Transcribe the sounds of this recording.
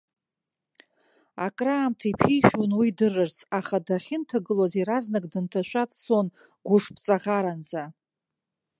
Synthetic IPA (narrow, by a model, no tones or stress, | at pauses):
a̰kʼraːmtʰaipʰijʃᶣunwidɨrɨrt͡sʰaχadaχʲɪntʰaɡɨloziɾaznɨkʼdɨntʰaʃʷᶣat͡sson | ɡʷʊʂpʰʼt͡sʼaʁaɾand͡za